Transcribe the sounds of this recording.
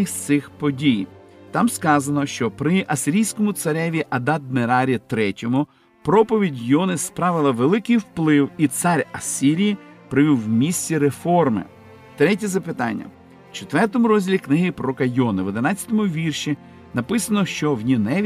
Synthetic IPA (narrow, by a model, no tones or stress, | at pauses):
ɪxt̪sɪxpɔdʲijt̪ɑmskɑzɐnɔʃt͡ʃɔpɾɪʔɐsʲɪɾʲijsʲkɔmʊt̪sɐɾʲɛʋʲiʔɐd̪ɑd̪̚neɾɑɾʲit̪ɾɛtʲɔmʊ | pɾɔpɔʋʲidʲjɔnɪspɾɑʋɪlˠɐʋelˠɪkɪjwplˠɪwit̪sɑɾʲɐsʲiɾʲijipɾɪʋʲiwːmʲisʲt͡sʲiɾefɔrmɪ̰ | t̪ɾɛt̬ʲizɐpɪt̪ɑ̰nʲːɐ̰ | t͡ʃet̪ʋɛrt̪ɔmʊɾɔzʲdʲilʲiknɪɦɪpɾɔkɐjɔnɪʋɔd̪enɑt͡sʲːɐ̥t̪ɔmʊʋʲirʃʲi | nɐpɪsɐnɔʃt͡ʃɔwnʲinɛʋʲ